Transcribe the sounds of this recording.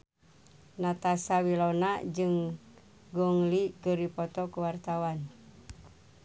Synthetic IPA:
nat̪asawilonad͡ʒɨŋ | ɡɔŋlikəɾipɔt̪ɔkuwart̪awan

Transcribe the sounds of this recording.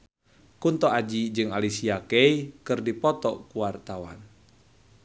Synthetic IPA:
kunt̪ɔad͡ʒid͡ʒɨŋalisiakɛikɨrdipɔt̪ɔkuart̪awa̰n

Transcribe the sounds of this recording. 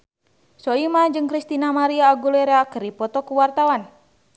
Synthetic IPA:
sɔimad͡ʒɨŋkɾist̪inamaɾiaːɡulɛɾeakəɾipɔt̪ɔkuwart̪awan

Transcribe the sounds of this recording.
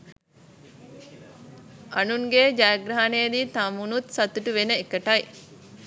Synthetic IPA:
ɐnuŋɡed͡ʒaːɡɾaɦaneːd̪iːt̪ɐmunut̪sɐt̪uʈuʋenəekəʈɐj

